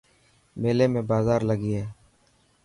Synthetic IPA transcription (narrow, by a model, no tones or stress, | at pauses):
meːleːmẽːbaːzaːɾləɡiːɦɛː